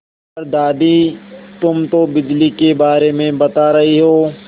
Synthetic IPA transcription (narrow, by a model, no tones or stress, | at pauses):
ɾd̪aːd̪it̪ʊmt̪obɪd͡ʒlikebaːɾemẽbɐt̪aɾɐɦiɦoː